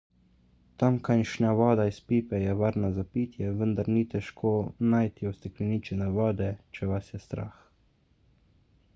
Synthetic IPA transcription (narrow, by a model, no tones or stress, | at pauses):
t̪amkanʃnaʋɔːd̪aispiːpɛjɛʋaɾnazapiːt̪jɛʋənd̪aɾniːt̪ɛʃkʰoːnajt̪iɔst̪ɛklʲɛniːt͡ʃɛnɛʋɔːd̪ɛt͡ʃɛʋasjɛst̪ɾa̰ːx